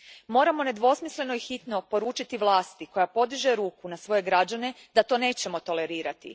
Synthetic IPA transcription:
mo̞ːɾamo̞ne̞d̪ʋo̞smisle̞no̞ixit̪no̞po̞ɾuːt͡ʃit̪iʋlˠaːst̪iko̞japo̞d̪iʒe̞ɾuːkunasʋo̞je̞ɡɾad͡ʑane̞ | d̪at̪o̞ːne̞ːt͡ɕe̞mo̞t̪o̞le̞ɾiːɾat̪ḭ

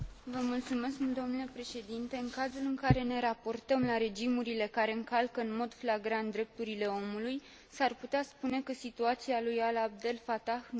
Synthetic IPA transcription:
vəmult̪sume̞skmuld̪o̞mnule̞pɾe̞ʃe̞d̪int̪e̞ɨŋkazulɨŋkaɾe̞ne̞ɾapo̞rt̪əmlaɾe̞d͡ʒimuɾile̞kaɾe̞ɨŋkalkəɨnmo̞d̪flaɡɾant̪̚d̪ɾe̞p̚t̪uɾile̞o̞muluj | sarput̪easpune̞kəsit̪uat̪sialujalab̚d̪e̞lfat̪ax

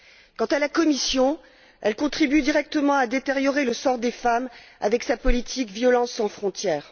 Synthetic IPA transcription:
kɑ̃t̪alakɔmisjɔ̃ | ɛlkɔ̃t̪χibyd̪iʁɛk̚t̪əmɑ̃ad̪et̪eʁjɔʁeləsɔʁd̪efama̰vɛksapɔlit̪ʰikvjɔlɑ̃ssːɑ̃fχɔ̃t̪jɛːʁ

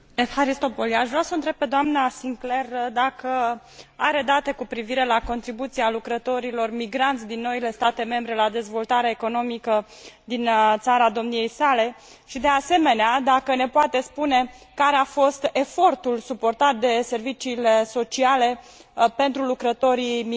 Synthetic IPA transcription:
efaɾist̪o̞poliaʃvɾeasəɨnt̪ɾe̞b̚pe̞d̪oamnasiŋkle̞rd̪akə | aɾe̞d̪at̪e̞kupɾiviɾe̞lako̞nt̪ɾibut̪sialukɾət̪o̞ɾilo̞rmiɡɾant̪sʲd̪inːo̞ile̞st̪at̪e̞me̞mbɾe̞lad̪e̞zvo̞lt̪aɾeaeko̞no̞mikə | d̪int̪saɾad̪o̞mnije̞jsale̞ | ʃid̪e̞ase̞me̞nead̪akəne̞poat̪e̞spune̞kaɾeafo̞st̪e̞fo̞rt̪ulsupo̞rt̪at̪̚d̪e̞se̞rvit͡ʃiːle̞so̞t͡ʃiale̞ | pe̞nt̪ɾulukɾət̪o̞ɾimi

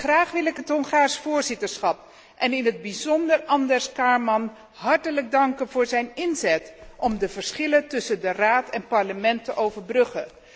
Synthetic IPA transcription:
χraːχʋɪlɪkɦətɦɔŋχaːɹsfʊːɹzɪtəɹsχɑp̚ | ʔɛnɪnɦəd̚bizɔndəɹɑndɛɹskaːɹmɑn | ɦɑɹtələɡ̚dɑŋkənvʊːɹzɛjnɪnzɛtɔmdəvəɹsχɪlətɵsəndəraːtɛnpɑɹləmɛntəʔowvəɹbrɵχə

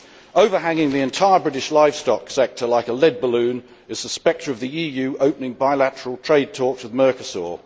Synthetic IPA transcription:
əʊvəɦæ̃ŋɪ̃ŋðiɨ̃ntʰaɪəbɹɪɾɪʃlaɪv̥stɒksɛk̚tʰəlaɪkəlɛd̚bəlʉ̃n | ɪzðəspɛk̚tʰɹ̥əvðiiːjʉːʔəʊpnɪ̃ŋbaɪlætəɹəlˠtʰɹ̥eɪd̚tʰɔˑkswɪðmɜˑkəsɔ̰ː

